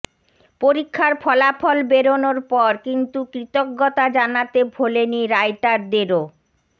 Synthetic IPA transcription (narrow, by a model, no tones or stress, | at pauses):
poɾikʰːaɾpʰɔlapʰɔlbeɾonoɾpɔɾkint̪ukɾit̪oɡːɔt̪ad͡ʑanat̪ebʱoleniɾajʈaɾd̪eɾo